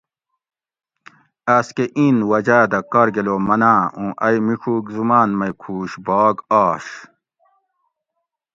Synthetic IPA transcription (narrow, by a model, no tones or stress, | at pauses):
ɐskeʔinwɐd͡ʑaːd̪ɐkɐɾɡeloːmɐnaːũːʔɐjmiʂʰuːɡzumaːnmɐjkʰuːɕbɑːɡaːɕ